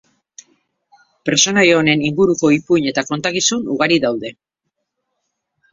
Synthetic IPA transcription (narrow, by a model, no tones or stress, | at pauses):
peɾso̞najeone̞niŋɡuɾuko̞ipuɲe̞t̪ako̞nt̪akisunuɣ̞aɾiðawðe̞